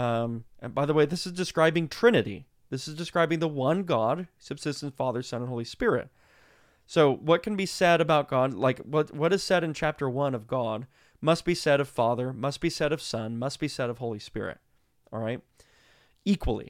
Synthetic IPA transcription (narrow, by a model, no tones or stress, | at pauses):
ʌ̃ʔɨ̃baɪðəweɪðɪsɨzdɨskɹaɪbɪ̃ŋtʰɹ̥ɪ̃nɨɾḭ | ðɪsɨzdɨskɹaɪbɪ̃ŋðəwʌ̃nɡɑd̥̚sɨb̥sɪstn̩fɑðə˞sʌ̃ñənɦoʊlˠispɪɹɪ̰t̚ | soʊwʌt̚kʰn̩bisɛɾɨbaʊt̚ɡ̥ɑdlaɪkwʌtwʌɾɨz̥sɛɾɨ̃nt͡ʃʰæp̚tə˞wʌ̃nʌvɡɑd̚ | mʌst̚b̥isɛɾʌv̥fɑðə˞mʌst̚b̥isɛɾʌv̥sʌ̃nmʌst̚b̥isɛɾʌv̥hoʊlˠispɪ̰ɹɪ̰t̚ | ʔˠɹaɪt̚ | ikʰwəl̩ˠḭ